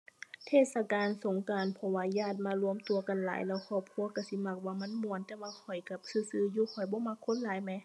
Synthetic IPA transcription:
t̪ʰeː˧˩t̪̚sa˧kaː˨nso˨˦ŋkaː˨npʰɔ˧waː˧jaː˧˩t̪̚maː˧lu˧əmt̪u˨˧ɐka˨nla̰ː˨˦jlɛː˧˩wkʰɔː˧˩p̚kʰu˧˥ɐka˧˩si˧˦ma˧˩k̚waː˧˩ma˧˥˨nmu˧˨ənt̪ɛː˧waː˧kʰɔ˨˩jka˧˩p̚sɯː˧˩sɯː˧˩˨juː˧kʰɔ˨˩jbɔː˧˦ma˧kʰːo˧˥˨nlaː˨˦jmɛ˧˦

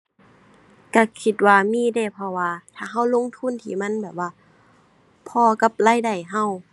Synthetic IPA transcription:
ka˧˩kʰi˧˩t̪̚waː˧miː˧˥˨da˧˩pʰɔ˧waː˧t̪ʰaː˧˩ɦa˧˥˨wlo˧˥˨ŋt̪ʰu˧˥˨nt̪ʰḭː˧˩ma˧˥˨nbɛː˨˩p̚waː˧˩ | pʰɔː˧ka˧˥p̚laː˧˥˨jda˧˩jɦa˧˥˨w

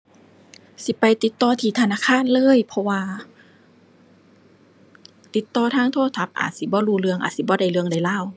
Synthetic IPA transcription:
si˧˦pa˧˨jt̪i˨˧˦t̪ːɔː˧˩t̪ʰiː˧˩t̪ʰa˧naː˧˥˨kʰaː˧˥˨nlɤː˧˥˨jpʰɔ˧waː˧ | t̪i˧˦t̪ːɔː˧˩t̪ʰaː˧˥˨ŋt̪ʰoː˧˥˨t̪ʰa˧˥p̚ʔa̰ː˨˩t̪̚si˧˦bɔː˧˦luː˧˩lɯ˧əŋʔa̰ː˨t̪̚si˧˦bɔː˧˦da˧˩jlɯ˧əŋda˧˩jlaː˧˥˩w

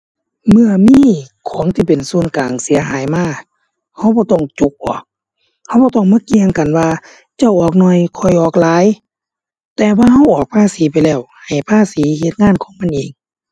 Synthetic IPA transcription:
mɯ˧əmiː˧˥˨kʰɔː˨˦ŋt̪ʰiː˧˩pe˨˩nsu˧˩ənkaː˨˩ŋsi˨˦ɐɦaː˨˦jmaː˧˥˩ | ha˧˩wbɔː˧˦t̪ɔ˧˩ŋt͡ɕu˧k̚bɔ̰ː˧˦ | ha˧˩˨wbɔː˧˦t̪ɔ˧˩ŋmaː˧˥˨ki˧əŋka˨˩nwaː˧ | t͡ɕa˧˩wʔɔː˨˩k̚nɔː˧˩˨jkʰɔ˧˩jʔɔː˨˩k̚laː˨˧˦j | t̪ɛː˧waː˧ɦa˧˥˩wʔɔː˨˩k̚pʰaː˧˥˨siː˨˦pa˨jlɛː˧˩whha˨˩jpʰaː˧˥˨siː˨˦he˧t̪̚ŋaː˧˥˨nkʰɔː˨˦ŋma˧˥˨nʔeː˨˩ŋ

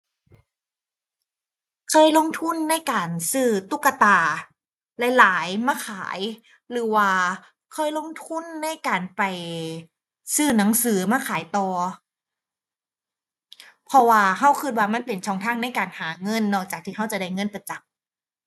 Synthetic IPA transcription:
kʰɔː˧˩˨jlo˧˥˨ŋt̪ʰu˧˥˨nːa˧˥˨jkaː˨˩nsɯː˧˥˩t̪u˧˥˩kːa˧t̪aː˨˧˩ | lɛ˧˥jlaː˨˦jmaː˧˥˩kʰaː˨˩˦j | lɯː˨˩˦waː˧˩ | kʰɔː˧˥˩jlo˧˥˨ŋt̪ʰu˧˥˨nːa˧˥˨jkaː˨˩npa˨˩j | sɯː˧˥˩na˩˦ŋsɯː˨˩˦maː˧˥˩kʰaː˨˩˦jt̪ɔː˧ | pʰɔ˧waː˧ɦa˧˩wkʰɯ˧t̪̚waː˧˩ma˧˥˨npe˨˩nt͡ɕʰɔː˧˩˨ŋt̪ʰaː˧˥˩ŋna˧˥˩jkaː˨˩nhaː˩˦ŋɤ˧˥˨nːɔː˧˩k̚t͡ɕaː˨˩k̚t̪ʰiː˧˩ɦa˧˥˩wt͡ɕa˨˩da˧˩jŋɤ˧˥˨npa˨˧˩t͡ɕa˨˦m̚

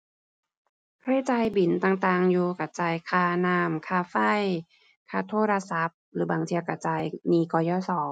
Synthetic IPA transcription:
kʰɾi˧˥˨t͡ɕaː˧jbi˨˩˦nt̪aː˨˧˩ŋt̪aː˨˧ŋjuː˧ka˧˩t͡ɕaː˧˩jkʰaː˧˩naː˧˩mkʰaː˧fa˧˥˩j | kʰaː˧t̪ʰoː˧˥˩ɾa˧sa˨˦˥p̚ɾɯː˩˦baː˨˩ŋt̪ʰi˧ka˧˩t͡ɕaː˧jniː˧kɔː˧˩jɔː˧˥˩sɔː˨˩˦ŋ

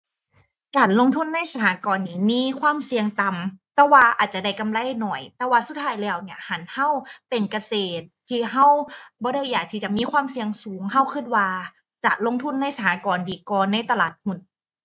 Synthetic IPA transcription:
kaː˨˩nlo˧˨ŋt̪ʰu˧˥˨nːa˧˥˨jsa˧hʰaː˨˦kɔː˨˩nːiː˧˩miː˧˥˨kʰwaː˧˥˨msi˧əŋt̪a˨mt̪ɛː˧˩waː˧ʔaː˨˩t̪̚t͡ɕa˨˧˩da˧˩jka˧˨mla˧˥˨jnɔ˨˩jt̪ɛː˧˦waː˧su˧˦t̪̚ʰːaː˧˥˩jlɛː˧˩˨wni˧˩ɐha˨˦nha˧˥˩wpe˨nka˧seː˨˩t̪ʰːiː˧ɦa˧˥˩wbɔː˧˦ɾa˧˥˩jːaː˨˩k̚t̪ʰiː˧˩t͡ɕa˨˩ʔmiː˧˥˨kʰwaː˧˥˨msi˧əŋsuː˨˦ŋha˧˩wkʰɯ˧˥˩t̪̚waː˧ | t͡ɕa̰˨˩ʔlo˧˥ŋt̪ʰu˧˥˩nːa˧˥˩jsa˧˩haː˨˧˦kɔː˨ndiː˨˩kɔː˧nːa˧˥˩jt̪a˧laː˨˩t̪̚mu˨˧˩n̚

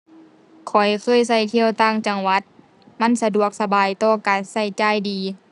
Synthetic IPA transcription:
kʰɔ˨˩jkʰɯ˧˥˩ə˨jsa˧˩jt̪ʰi˧˨əwt̪aː˧˥˩ŋt͡ɕa˧ŋwa˧˥t̪̚ | ma˧˥˨nsa˧du˨˩ək̚sa˧baː˨jt̪ɔː˧˩kaː˨˩nsa˧˩jt͡ɕaː˧˩jdiː˨

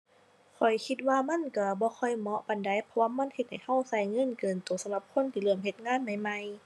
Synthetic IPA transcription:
kʰɔ˨˩jkʰi˧t̪̚waː˧ma˧˥˨nka˧˩bɔː˧˦kʰɔ˧˩jmɔ˧ʔpa˨nda˨˧˩jpʰɔ˧waː˧˨ma˧˥˨nhe˧t̪̚ha˨˩jha˧˥˨wsa˧˩jŋɤ˧˥˨nkɤː˨˩nt̪uː˨˩sa˧˦mla˧˦p̚kʰo˧˥˨nt̪ʰiː˧˩lɯ˧˩əmɦe˧˦t̪̚ŋaː˧˥˨nma˧˩jma˧j

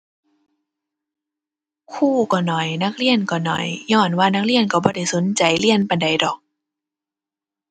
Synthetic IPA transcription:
kʰuː˧˥˩kɔː˧˩nɔ˨˩jna˦˧˥k̚li˧˥˩ənkɔː˧˩nɔ̰˨˩jɲɔː˧˩nwaː˧˩na˦˥k̚li˧˩ənka˧˩bɔː˧˩da˧˩jso˨˦nt͡ɕa˨˩jli˧˩ənpa˧˩nda˨˩jdɔː˨˩k̚

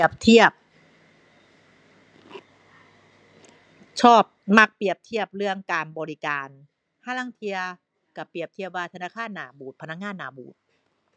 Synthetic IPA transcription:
əp̚t̪ʰi˥˩əp̚ | t͡ɕʰɔː˥˩p̚ma˧˥˩k̚pi˨˩əp̚t̪ʰi˥˩əp̚ɾɯ˥˩əŋkaː˧nbɔː˧ɾi˦˧kaː˧n | haː˧˥˩laː˧˥˩ŋt̪ʰi˧ɐ | ka˨˩pɾi˨˩əp̚t̪ʰi˥˩əp̚waː˧t̪ʰa˧naː˧˥˩kʰaː˧˥˨nːaː˨˩˦buː˨˩t̪̚pʰa˧na˧˥k̚ŋaː˧˥nːaː˨˩˦bṵː˨˩t̪̚

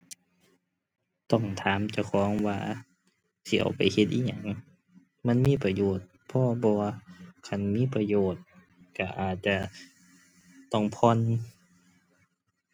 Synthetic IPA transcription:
t̪ɔ˧˩ŋt̪ʰaː˨˦mt͡ɕa˧˩wkʰɔː˨˦ŋwaː˧ | si˧˨a̰˨˩wpa˨jhe˧t̪̚ʔiː˧˥˩ɲa˧˩˨ŋ | ma˧˥˨nmiː˧˥˨pa˧joː˨˩t̪̚ | pʰɔ˧bɔː˧a˧kʰa˧˩˨nmiː˧˥˨pa˧joː˨˩t̪̚ | ka˧˩ʔaː˨˩t̪̚t͡ɕa˧˩ | t̪ɔ˧˩ŋpʰɔ˧˥˨n

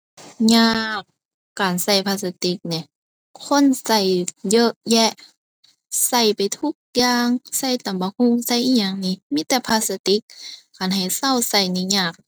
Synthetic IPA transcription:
ɲaː˧k | kaː˨˩nsa˧˩jpʰaː˧sa˧t̪i˧˥k̚ni˧˩ | kʰo˧˥˨nsa˧˩jjɤ˧˥ʔjɛ˧ʔ | sa˧˩jpa˨jt̪ʰu˧˥k̚jaː˧˨ŋsa˧˩jt̪a˨˩mba˧˦ku˧˥˨ŋsa˧˩˨jʔiː˧ɲaː˧˩ŋniː˧˨miː˧˥˨t̪ɛː˧pʰaː˧sa˧t̪i˧˥k̚kaː˨nɦa˨˩jsa˧˨wsa˧˩jni˧˨ɲaː˧˩k̚

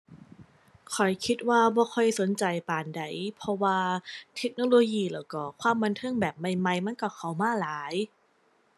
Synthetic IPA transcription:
kʰɔ˨˩jkʰi˦˥t̪̚waː˧˩bɔː˧kʰɔ˧˩jso˨˦nt͡ɕa˨˩jpaː˨˩nda˨˩jpʰɔ˧waː˧t̪ʰe˦˥k̚noː˧loː˧jiː˧˩laː˨˩wkɔː˧˩kʰwaː˧˥˨mːa˧nt̪ʰɯ˧˥˨ŋbɛː˨˩p̚ma˧jma˧jma˧˥˨nkɔ˧˩kʰa˨˦wmaː˧˥˩laː˨˦j

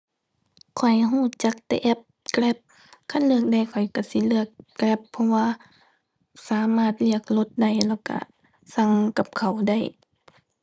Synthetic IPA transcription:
kʰɔ˨˩jɦuː˧˩˨t͡ɕa˧˦k̚t̪ɛ̰˧ʔɛ˧˥p̚klɛ˧˥p̚ | kʰa˧˥˨nlɯ˧˩ək̚da˧˩jkʰɔ˨˩jka˧˩si˧˦lɯ˧˩əkːlɛ˧˦pʰːɔ˧waː˧ | saː˨˦maː˧˩t̪̚li˧˩ək̚lo˧˦t̪̚da˧˩jlɛː˧˩wka̰˧˩ | sa˧˩ŋka˧˦p̚kʰa˨˩wda˧˩j

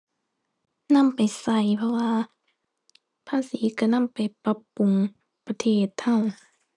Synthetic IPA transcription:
na˧˥˨mpa˨˩jsa˧˩jpʰɔ˧waː˧ | pʰaː˧˨siː˨˦ka˧˩na˧˥˨mpa˨˩jpa˧˦pːu˨ŋ | pa˧t̪ʰeː˧˥˩t̪ʰhːa˧˩˨w

